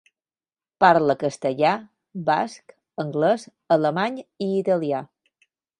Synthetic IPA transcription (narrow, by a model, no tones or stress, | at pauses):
paɾləkəst̪əʎa | ba̰sk | əŋɡlɛz | ələmaɲiːt̪əlia